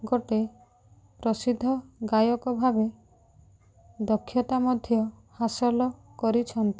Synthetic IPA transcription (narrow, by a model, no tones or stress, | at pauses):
ɡoʈe | pɾɔsid̪ʱːɔɡajɔkɔbʱabe | d̪ɔkʰːjɔt̪amɔd̪ʱjɔ | hasɔlɔkɔɾit͡ʃʰɔnt̪i̥